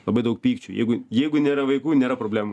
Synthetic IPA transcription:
lˠɐbɐɪd̪ɐʊk̚pʲiːkt͡ʃʲujɛ̰ɪɡʊjɛɪɡʊnʲeːɾɐʋɐɪkuːnʲeːɾɐpɾoːbʲlʲæːmu

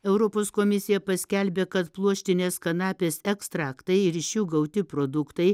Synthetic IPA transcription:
ɛʊɾoːpoːskoːmʲɪsʲɪjɛpɐsʲkʲɛlʲbʲeːkɐt̪plˠuɔʃʲt̪ʲɪnʲeːskɐnɑːpʲeːsɛkst̪ɾɑːkt̪ɐɪɪɾɪʃʲjuːɡɐʊt̪ʲɪpɾoːd̪ʊkt̪ɐɪ

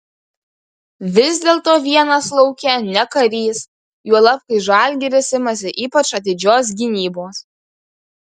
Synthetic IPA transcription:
ʋʲɪzʲd̪ʲeːlˠt̪oːʋʲiɛnɐslˠɒʊkʲɛnʲɛkɐɾʲiːs | juɔlˠɐpkɐɪʒɑˑlʲɡʲɪɾʲɪsʲɪmɐs̬ʲɪʔiːpɐt͡ʃɐt̪ʲɪd͡ʒʲoːs̬ɡʲɪnʲiːboːs

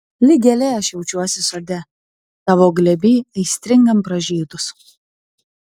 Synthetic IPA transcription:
lʲɪɡʲɛlʲɛɐʃjɛʊt͡ʃʲuɔsʲɪsɔɾʲd̪ʲɛ | t̪ɐʋoːɡlʲɛbʲiːɐɪsʲt̪ʲɾʲɪŋɡɐmpɾɐʒʲiːd̪ʊs

